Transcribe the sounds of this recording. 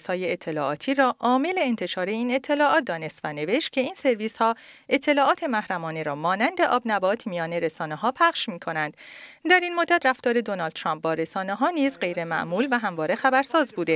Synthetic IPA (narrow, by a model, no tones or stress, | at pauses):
shɒːje̞ːt̪ʰːe̞lɒ̰ːʔɒːt̪ʰiːɾɒːʔɒːme̞le̞ːnt̪ʰe̞ʃɒːɾe̞iːne̞t̪ʰːe̞lɒːʔɒːt̪̚d̪ɒːne̞st̪væne̞ve̞ʃt̪̚cʲʰe̞iːnse̞ɾviːshɒːe̞t̪ʰːe̞lɒːʔɒːt̪ʰe̞mæhɾæmɒːne̞ɾɒːmɒːnænd̪e̞ʔɒːbnæbɒːt̪ʰmijɒːne̞ɾe̞sɒːneɦɒːpʰæχʃmiːkʰo̞nænd̪̥d̪æɾiːnmod̪ːæt̪ræft̪ɒːɾe̞d̪onɒld̪t̪ʰɾɒːmp̚bɒːɾe̞sɒːneɦɒːniːzɢe̞jɾe̞mæ̰ʔmuːlvæɦæmvɒːɾe̞xæbæɾsɒːzbuːd̪e